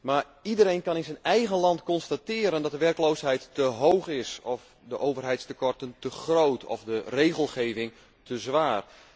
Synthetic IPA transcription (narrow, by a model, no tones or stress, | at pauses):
mar | idəɾejnkɑnɪnzənɛjɣənlɑntkɔnstatɪːɾəndɔt̚dəʋɛrkloːsɦɛjtːəɦowxɪsɔf | dəʔoːvərɦɛjtstəkɔrtəntəxrowtʰɔ̰fdəreːɣəlˠχeːvɪŋ | tʰəzʋaːr